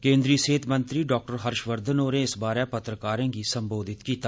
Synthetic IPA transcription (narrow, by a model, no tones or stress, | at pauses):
kẽːnd̪ɾiːseːt̪mə̃nt̪ɾiːɖɔːk̚ʈəɾɦəɾʃʋəɾd̪ʱənoːɾeɪsbaːɾɛpət̪ɾəkaːɾẽːɡisəmboːd̪ʱɪt̪kiːt̪a